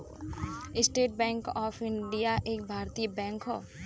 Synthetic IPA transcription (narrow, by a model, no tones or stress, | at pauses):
ɪsʈeːʈ̚bɛ̃ːŋkɔːpʰɪɳɖijaʔeːk̚bʱaːɾt̪iːbɛ̃ːŋkɦɔː